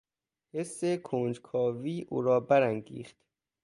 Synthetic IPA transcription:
hesːekʰond͡ʒkʰɒːviːʔṵːɾɒːbæɾæŋɡḭːxt̪

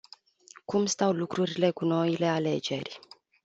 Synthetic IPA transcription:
kumst̪awlukɾuɾile̞kuno̞ile̞ale̞d͡ʒe̞rʲ

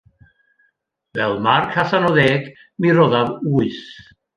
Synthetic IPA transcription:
vɛlˠmarkʰaθanɔðeːɡ | miɾɔðavuːɨθ

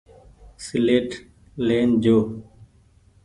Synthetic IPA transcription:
sɪleːʈ | leːnd͡ʒoː

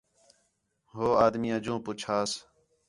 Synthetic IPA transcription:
ɦoːaːd̪miːəd͡ʒũːpʊt͡ʃʰaːs

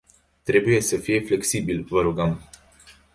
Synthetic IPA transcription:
t̪ɾebujesəfijefleksibilvəɾuɡam

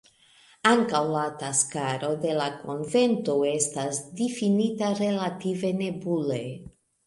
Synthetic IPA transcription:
aŋkawlataskaɾo̞de̞lako̞̰nve̞ntoe̞stasdifinitaɾe̞lative̞ne̞bule

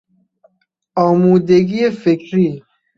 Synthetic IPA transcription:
ɔːmuːd̪eɡiefekʰɾiː

